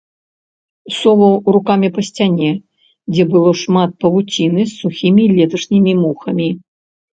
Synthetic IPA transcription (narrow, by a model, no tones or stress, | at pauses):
sɔvɐwrukamʲipɐsʲt͡sʲanʲɛ | d͡zʲɛbɨlˠɔʂmat̪̚pɐvut͡sʲinɨsːuxʲimʲilʲɛt̪ɐʂnʲimʲimuxɐmʲi